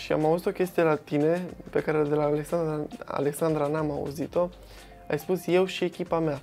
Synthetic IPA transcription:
ʃia̰mauzit̪o̞kʲe̞st̪ije̞lat̪ine̞pe̞kaɾed̪e̞laːle̞ksand̪aa̰le̞ksand̪ɾanamaṵzit̪o̞ | a̰jspusje̞wʃie̞kʲipamea

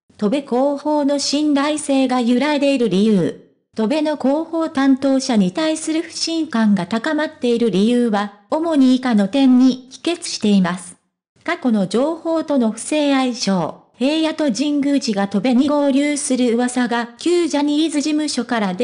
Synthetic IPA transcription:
t̪o̞be̞ko̞ːho̞ːno̞ɕĩnd̪aise̞ːɡajɯ̟ɾaed̪e̞iɾɯ̟ɾʲijɯː | t̪o̞be̞no̞ko̞ːho̞ːt̪ãnt̪o̞ːɕaɲ̟it̪aisɨɾɯ̟ɸɯ̟̥ɕĩŋkãŋɡat̪akamat̪ːe̞iɾɯ̟ɾʲijɯːβa | o̞mo̞ɲ̟iːkano̞t̪ẽ̞ɲ̟ːikʲi̥ke̞t͡sɨ̥ɕi̥t̪e̞imasɨ̥ | kako̞no̞d͡ʑo̞ːho̞ːt̪o̞no̞ɸɯ̟̥se̞ːaiɕo̞ːhe̞ːjat̪o̞ʑĩŋɡɯ̟ʑiɡat̪o̞be̞ɲ̟iɡo̞ːɾʲɯːsɨɾɯ̟ːβasaɡakʲɨːʑaɲ̟iːzɨʑimɯ̟ɕo̞kaɾad̪e

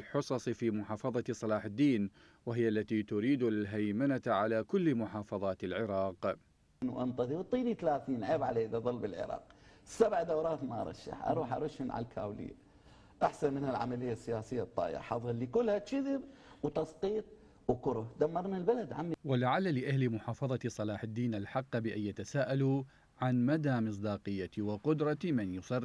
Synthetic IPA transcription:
lħʊsˤɑsˤfiːmʊħɑːfɑðˤɑsˤɑlɑːħɪd̪ːiːn | wɪɦɪjːaʔalːat̪it̪ʊɾiːd̪lɦajmanat̪ʕalakʊlːmʊħɑːfɑðˤɑːt̪ɪlʕɪɾɑːq | nuʔant̪ˤɑðiwt̪ˤiːnit̪alaːθiːnʕeːbʕaleːd̪aðˤɑlːbɪlʕɪ̰ɾˤɑ̰ːq̚sabʕd̪awɾˤɑːt̪maʔɑ̰ɾˤɑ̰ʃːa̰ħʔɑ̰ɾˤuːħʔɑ̰ɾˤʊʃɪnʕa̰lkʰa̰ːwlɪ̰ː | ʔaħsanmɪnalʕa̰malɪjːasːɪjaːsɪjːat̪ˤːɑ̰ːja̰ħɑðˤlːikʊlːhat̪ʃɪðɪbwt̪ɑsqiːt̪̚ˤ | wkʊɾʊhd̪amːɑɾˤnalbalad̪ʕamːwalaʕalːalɪʔahlimʊħɑːfɑðˤɑt̪sˤɑlɑːħɪd̪ːiːnalħɑqːbɪʔajːat̪asaːʔalu | ʕanmad̪aːmɨs̬ˤd̪ɑːqɨjːat̪iwɪqʊd̪ɾˤɑt̪imɪnjʊsˤɑrː

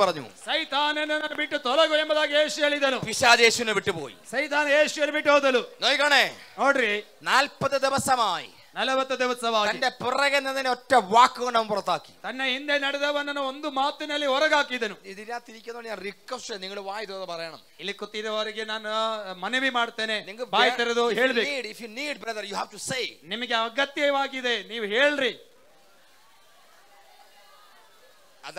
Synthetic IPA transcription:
pɐrɐɲːṵsɐjt̪aːnɐnɐnɐbiʈːɨt̪olɐɣujembɐðaːkijeːɕujɐliðɐnuʋiɕaːðe̞ːɕuʋineʋiʈːɨpo̰ːjḭsɐjt̪aːnɐjeːɕujɐnʋiʈːoːt̪ɐlunoːjkɐɳenoːɖɾi | naːlpɐðːɨd̪iʋɐsɐmaːjḭ | nɐlɐbɐt̪ːɨd̪iʋɐsɐmaːjt̪ɐinde̞purɐɣɐnːɐnɐneotːɐmʋaːkːɨɣɐɳɖnɐmmpurɐt̪ːaːkːi̥̰t̪ɐnːeind̪enɐɽuðɐʋɐnːɐnɐond̪ɨmaːt̪ːinɐlːiɔrɐɣaːkːiðɐnuiðiɾaːt̪ːiɾikʲːɐnːoːɳɲaːnrikwɐsʈɐniŋːɐɭɨʋaːjd̪uɐðɐpɐrɐjɐɳɐ̰milːikːut̪ːiðɐʋɐɾiɡenaːnmɐnɐʋimaːɽt̪ːeːneniŋːɐbaːjt̪ːiɾɐd̪uɦeːɭdiiːɖifjuniːɖbrɐðɐrjuɦaʋʈusejnimɐɡeɐɡɐt̪jɐʋaːɡid̪e̞niːʋuɦe̞ːɭɾi | ɐð

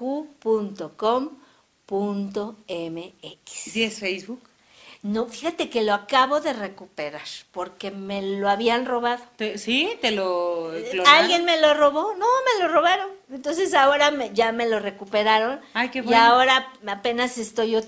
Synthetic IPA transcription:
upunt̪okom | punt̪o̞emeeki̥sd̪jesfejzβuk | nofixat̪e̞ke̞loakaβo̞ðe̞re̞kupe̞ɾaɾpo̞ɾke̞meloaβianroβaðot̪esit̪eloloalɣjenme̞loroβonome̞loroβaɾonent̪ons̬esaoɾameʝame̞lo̞re̞kupe̞ɾaɾo̞najkeβwiaoɾaape̞nasest̪ojo

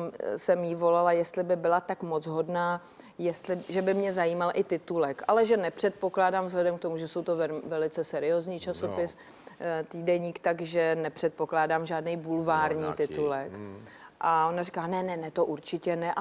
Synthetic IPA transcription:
msɛmjiːvo̞lalajɛst̪lɪbɪbɪlat̪akmo̞t͡sɦo̞dnaː | jɛst̪lɪʒɛbɪmɲɛzajiːmalʔɪt̪ɪt̪ulɛkʔalɛʒɛnɛpr̥ɛt̪̚po̞klaːdaːmvzɦlɛdɛmk̚t̪o̞muʒɛso̞wt̪ovɛvɛlɪt͡sɛsɛɾɪjoːzɲiːt͡ʃaso̞pɪs | t̪iːdɛɲiːkt̪aɡʒɛnɛpr̥ɛt̪̚po̞klaːdaːmʒaːdnɛjbulvaːɾɲiːt̪ɪt̪ulɛk | ʔao̞narikaːnɛnɛnɛt̪o̞ʔuɾt͡ʃɪcɛnɛʔ

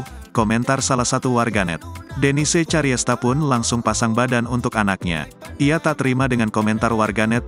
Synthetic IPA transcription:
komɛnt̪arsalahsat̪uwarɡanɛ̰t̪̚dɛniset͡ʃaɾiɛst̪apʊnlaŋsʊŋpasaŋbadanunt̪ʊkanak̚ɲa̰ʔiat̪aʔt̪əɾimadəŋankomɛnt̪arwarɡanɛt̪̚

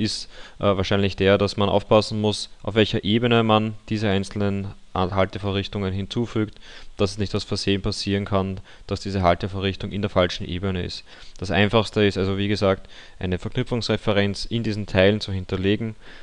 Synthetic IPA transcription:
ʔɪstʔvaːɐʃæɪnlɪçd̥eːɐdasmanʔa̰ʊfpʰasn̩mʊsʔa̰ʊfvɛlçɐʔeːbənəmand̥iːzəæɪnt͡sl̩nənʔaɦaltəfoɐʁɪçtʊŋənɦɪnt͡suːfyːktd̥asɛsnɪçtasfɛɐzeːənpʰasiːʁənkʰan | d̥asd̥iːzəɦaltəfoɐʁɪçtʊŋɪ̰ndeːɐfalʃn̩ʔḛːbənəɪ̰st | d̥asʔa̰ɪnfaxstəɪstalzoviːɡəzaːkt | ʔæɪnəfɛɐkʰnʏpfʊŋsʁɛfɛʁɛnt͡sɪndiːzn̩tʰaɪlənt͡suhɪntɐleːɡŋ̩

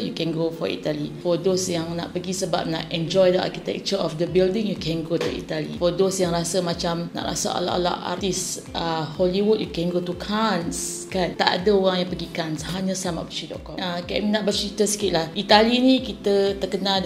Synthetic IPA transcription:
jukɛ̃nɡofɔ̰ḭt̪alifɔdosjaŋna̰ʔpəɡisəba̰p̚na̰ʔɛ̃nd͡ʒɔjdəa̰rkit̪ɛ̰k̚t͡ʃəɔfdəbildɪ̃ŋjukʰɛ̃nɡot̪ṵḭt̪alḭfɔdosjaŋɾasəmãt͡ʃamna̰ʔɾa̰sa̰ʔa̰la̰ʔa̰la̰ʔa̰rt̪is | ʔəhɔliwud̚jukɛnɡot̪ukʰans | kant̪a̰ʔa̰dəoɣaŋjaŋpəɡikanshaɲə̃sama̰ʔbət͡ʃidɔ̰ʔkɔməkɛʔminaʔ̚bət͡ʃit̪əsə̥kiʔ̪lahʔit̪alinĩkit̪ət̪əkəna

